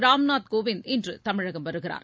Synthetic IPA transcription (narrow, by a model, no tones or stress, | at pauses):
ɾaːmnaːt̪koːʋɪnɛndrɯt̪ɐmɪɻɐɣɐmʋɐɾɯɣɪɾa̰ːɾ